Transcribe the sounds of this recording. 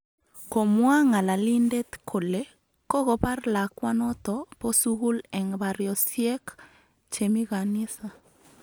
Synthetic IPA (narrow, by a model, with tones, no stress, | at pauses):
ko˨mwa˦ŋa˨la˨li˦nde˦t̪kʰo˨le˨˦ | kɔ˦ɣo˨pa˦rla˨kwa˦nɔ˦t̪ɔ˨po˦su˦ɣu˦lɛ˨ŋba˨ɾjɔ˨sje˦k | t͡ʃe˨mi˦ɣa˨ni˦sa˨